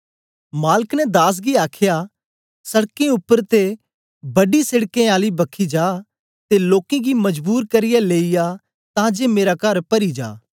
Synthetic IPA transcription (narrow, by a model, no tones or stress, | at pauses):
maːləknɛd̪aːs̬ɡiaːkʰɪja | sɐɽkẽʊpːəɾt̪e | bɐɖisɪɽkẽaːlibɐkʰid͡ʒaː | t̪eloːkẽɡimɐd͡ʒbuːɾkɐɾɪjaleːija | t̪ãd͡ʒemeːɾakɐɾpɐɾid͡ʒa̰ː